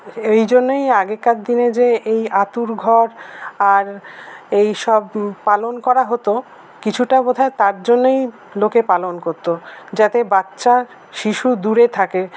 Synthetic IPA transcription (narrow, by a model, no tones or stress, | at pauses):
ejd͡ʑonːejaɡekːat̪d̪ined͡ʑeejat̪uɾɡʱɔɾaɾejʃɔbpalonkɔɾaɦot̪o | kit͡ɕʰuʈabod̪ʱaet̪aɾd͡ʑonːej | lokepalonkoɾt̪od͡ʑat̪ebatːɕa | ʃiʃud̪uɾet̪ʰake